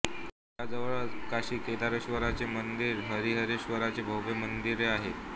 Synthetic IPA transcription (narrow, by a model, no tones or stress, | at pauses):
ad͡zəʋɭakaɕiːk̪et̪aɾəɕʋəɾat͡semənd̪iːɾɦəɾiːɦəɾeɕʋəɾat͡sebʱəwbemənd̪iɾeaɦet̪